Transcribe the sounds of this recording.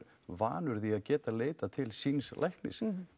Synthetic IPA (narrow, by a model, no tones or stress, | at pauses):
va̰ːnʏɾðiaðcɛːt̪aleːjt̪at̪ʰɪlsiːnslʔajhknɪ̰s